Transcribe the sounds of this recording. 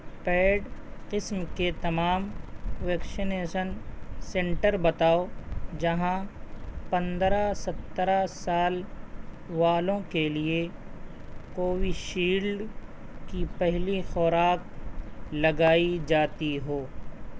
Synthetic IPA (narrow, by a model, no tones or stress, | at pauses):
pɛːɖqɪsmket̪ɐmaːmʋɛːksɪneːʃənsɛ̃ɳʈəɾbɐt̪aːod͡ʒɐɦãpɐ̃nd̪ɾasɐt̪ːɾasaːl | ʋaːlõkelie | koːʋiʃiːlɖ | kipɛɦlixɔːɾaːk̚ | lɐɡaːid͡ʒaːt̪iɦoː